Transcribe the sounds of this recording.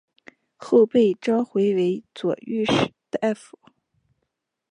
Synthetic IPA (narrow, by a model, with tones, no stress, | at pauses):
xo˥˧ʊpe˥˩ɪʈ͡ʂɑ˥ʊxwe˧˥ɪwe˧˥ɪt͡swɔ̰˨˩y˥˧ʂ̩˨˩d̪̥ə˧ʔɛ˥˩fu˨˩˦